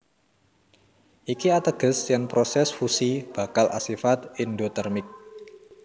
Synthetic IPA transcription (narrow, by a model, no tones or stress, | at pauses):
ʔikiat̪əɡ̥ə̤sjanpɾosɛsfusib̥a̤kalʔa̰sifat̪indot̪ərmɪk̚